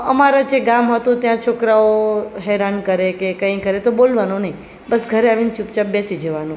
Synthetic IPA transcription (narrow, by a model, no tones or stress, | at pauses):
əmaɾad͡ʒeɡamɦət̪ũt̪jãt͡ʃʰokɾaoɦɛɾankəɾekekə̃ĩkəɾet̪obolʋanũnəĩ | bəsɡʱəɾeaʋint͡ʃupt͡ʃapbesid͡ʒəʋanũ